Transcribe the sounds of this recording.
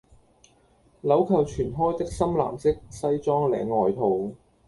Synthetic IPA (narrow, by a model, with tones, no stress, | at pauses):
lɐ˨˥wkʰɐ˨˩wt͡ʃʰyː˨˩nɦɔː˥jt̪ɪ˥k̚sɐ˥mla̰ː˨˩mt͡sɪ˥k̚sɐ˥jt͡sɔː˥ŋlɛ̰ː˨˧˥ŋɔː˨jt̪ʰo˨w